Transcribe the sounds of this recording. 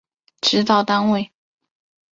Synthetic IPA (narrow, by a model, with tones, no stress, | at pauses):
ʈ͡ʂɻ̩˧˥t̪ɑ˥˧ʊt̪a˥nwe˥˩ɪ